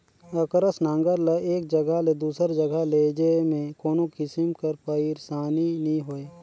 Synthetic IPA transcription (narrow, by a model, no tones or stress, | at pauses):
əkɾəsnãːŋɡəɾleeːk̚d͡ʒəɡəled̪uːsəɾd͡ʒəɡəled͡ʒemẽkoːnokɪsɪmkəɾpəiɾsaːninĩɦoːeː